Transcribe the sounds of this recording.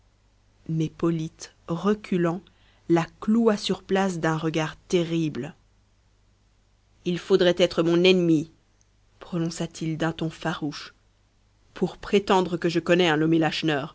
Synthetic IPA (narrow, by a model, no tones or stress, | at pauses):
mɛpɔlit̪ | ʁəkʲʰylɑ̃ | lakluasyʁplas̬d̪ɛ̃ʁəɡaʁt̪eʁibl | ilfod̪ʁɛt̪ɛt̪χəmɔ̃nɛnmi | pχɔnɔ̃sat̪ʰild̪ɛ̃t̪ɔ̃faʁuʃ | pʰuʁpχet̪ɑ̃d̪ʁəkəʒəkɔnɛɛ̃lɔmelaʃnœːʁ